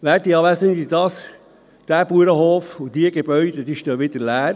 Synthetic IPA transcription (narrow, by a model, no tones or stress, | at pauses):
ʋæːɾt̚iɑʋæsəndidɑs | d̥æːb̥uəɾəhoːfud̥iəɡ̥eb̥œʏd̥əd̥iʃtoʋɪdəɾlæːɾ